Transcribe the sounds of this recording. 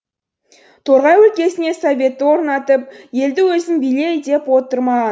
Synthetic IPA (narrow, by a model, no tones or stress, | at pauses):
t̪ʰo̞ɾʁɑjwɵlkʲe̞sɪne̞sovʲe̞t̪ːɪwo̞ɾnɑt̪əp̚je̞ld̪ɪwɵzɪnbijle̞jd̪e̞pwo̞t̪əɾmɑʁɑn